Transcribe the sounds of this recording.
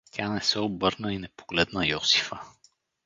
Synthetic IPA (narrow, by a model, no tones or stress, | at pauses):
tʲʰanɛsɛobɤɾnəinɛpo̥ɡ̥lɛd̪nəjɔsi̥fə